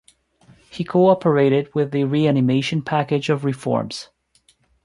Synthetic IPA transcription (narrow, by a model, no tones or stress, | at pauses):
hikʰoɑpə˞eɪɾɪd̚wɪðɨɹiænɨmeɪʃɨ̃npʰækɪd͡ʒʌvɹɨfɔ̰ɹmz̥